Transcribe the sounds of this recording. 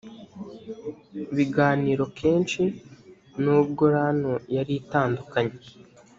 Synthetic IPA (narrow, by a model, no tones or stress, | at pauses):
βiɡaːniːɾo̞kʰeːnt͡ʃi | nuːb̚ɡo̞ɾanojaɾitaːndukaɲe